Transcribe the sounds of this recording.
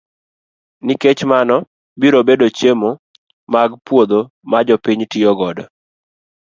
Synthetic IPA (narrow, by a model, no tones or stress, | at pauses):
niket͡ʃmanɔ | biɾobedot͡ʃemo | maɡpwod̪o | mad͡ʒɔpiɲtɪɔɡɔdɔ